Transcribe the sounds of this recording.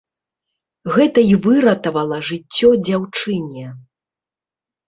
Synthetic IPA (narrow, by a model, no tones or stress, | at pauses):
ɣɛt̪ɐivɨɾɐt̪ɐvɐlˠɐʐɨt͡sʲːɔd͡zʲawt͡ʂɨnʲɛ